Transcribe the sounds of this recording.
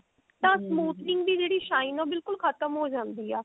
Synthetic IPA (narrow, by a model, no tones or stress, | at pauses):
t̪ãːsmuːt̪nɪ̃ŋɡd̪iːd͡ʒeːɽiːʃaːinõːbɪlkʊlkʰət̪əmɦoːd͡ʒãːnd̪iːɛː